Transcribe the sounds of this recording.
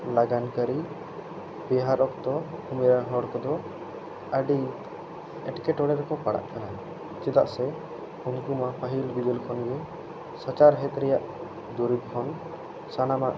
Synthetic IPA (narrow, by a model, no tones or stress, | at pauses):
laɡankaɾi | bɛɦaɾɔkd̪ɔumɛɾaɦɔɽkɔd̪ɔ | əɖi | ɛʈkɛʈɔɽɛɾɛkɔpaɽa̰ʔkana | t͡ʃɛd̪a̰ʔsɛ | unkumapaɦilbid̪ɛlkʰɔnɡɛ | sat͡ʃaɾɦɛt̪ɾɛjaʔ | d̪uɾib̚kʰɔn | sanamaʔ